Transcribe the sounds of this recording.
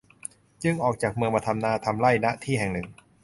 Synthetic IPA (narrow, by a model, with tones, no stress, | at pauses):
t͡ɕɯ˥˩ŋʔɔː˨˩k̚t͡ɕaː˨˩k̚mɯ˧əŋmaː˧t̪ʰa˧mnaː˧˩t̪ʰa˧mla˥˩jna˦˥ʔt̪ʰiː˥˩ɦɛ˨˩ŋnɯ˨˩ŋ